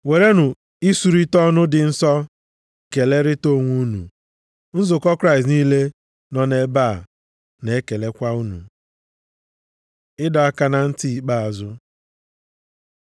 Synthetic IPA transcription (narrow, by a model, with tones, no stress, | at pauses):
we˨ɾe˦nʊ˨ | i˦su˨ɾi˦tɔ˦nʊ˦dɪ˨n̩˦sɔ˦ | ke˨le˦ɾɪ˦to˦˨ŋʷu˦nṵ˨ | n̩˦zʊ˨kɔ˦kɾa˦ɪ˨st̬niː˦le˦ | nɔ˦ne˨˦ba˦˨ | ne˨e˦ke˨le˦kʷa˦u˦nṵ˨ | ɪ˦dɔ˨a˦ka˦na˨n̩˦ti˦˨k͡pa˦a˨zʊ˦